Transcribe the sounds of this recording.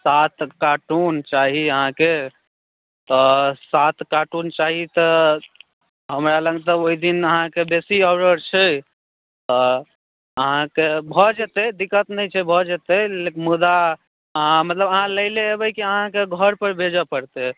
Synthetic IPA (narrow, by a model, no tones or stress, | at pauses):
sat̪kaʈunt͡ʃaɦiəɦãke | t̪ɔsat̪kaʈunt͡ʃaɦit̪ɔ | ɦəmɾaləɡet̪ɔoid̪inəɦãkebesiɔʊɾəɾt͡ʃʰɛ | t̪ɔ | əɦãkebʱɔd͡ʒet̪ɛd̪ikət̪nəjt͡ʃʰɛbʱɔd͡ʒet̪ɛlekmud̪a | ãmət̪ləbəɦãləɪleebəjkiəɦãkeɡʱəɾpəɾbʱed͡ʒəpəɾt̪e